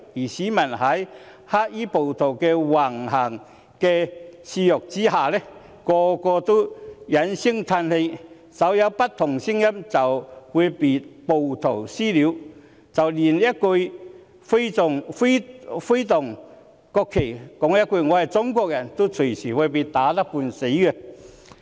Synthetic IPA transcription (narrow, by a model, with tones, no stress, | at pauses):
iː˨˩siː˨˥mɐ˨˩nhɐ˨˥j | ha˦˥k̚iː˥po˨˩wt̪ʰo˨˩wkɛ˧waː˨˩ŋɦa˨˩ŋ | kɛ˧si˧jʊ˨k̚t͡si˥haː˨˩lɛ˦˥ | kɔː˧kɔː˧t̪o˥jɐ˨˥nsi˥ŋt̪ʰa˧nhe˧ | sɐ˨˦wjɐ˨˧wpɐ˦˥t̚t̪ʰːʊ˨˩ŋsi˥ŋjɐ˥mt͡sɐ˨whu˨˧jpi˨˩t̚po˨wt̪ʰo˨˩wsiː˥li˨˧˥w | t͡sɐ˨wliː˨˩njɐ˥t̚kɵ˧j | fe˥tʊ˨˩ŋfe˥fe˥jt̪ʊ˨˩ŋ | kɔː˧kʰːe˨˩jkɔ˨˥ŋjɐ˥t̚ko˧ŋɔ˨˧hɐ˨jt͡sʊ˥ŋkʷɔː˧k̚jɐ˨˩nt̪o˥t͡sʰɵ˨˩jsiː˨˩wa˨˧˩p̬i˧t̪aː˨˥t̪ɐ˥k̚puː˧nse˨˥jkɛ˧